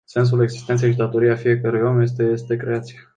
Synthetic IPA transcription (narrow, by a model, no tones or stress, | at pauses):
se̞ns̬ule̞ɡzist̪ent̪sejʃid̪at̪o̞ɾieafije̞kəɾujomje̞s̬t̪eje̞st̪e̞kɾe̞at̪sije